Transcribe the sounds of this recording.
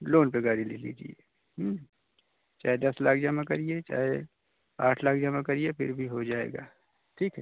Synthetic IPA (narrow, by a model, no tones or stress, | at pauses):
loːnpeɡaːɾililḭːd͡ʒḭḛː | ɦ | t͡ʃaːɦed̪ɐslaːk̚ʰd͡ʒɐmãkɐɾiet͡ʃa̰ːɦe | aːʈʰlaːkʰd͡ʒɐmãkɐɾiepɪ̰ɾbʱiɦod͡ʒaːḛːɡaː | ʈʰiːkɦɛ